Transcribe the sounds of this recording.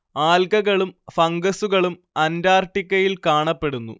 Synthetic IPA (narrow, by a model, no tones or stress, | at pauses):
aːlkɐɣɐɭumfɐŋɡɐsuɣɐɭum | ɐndaːrʈːikʲːɐjilkaːɳɐpːe̞ɽunːṵ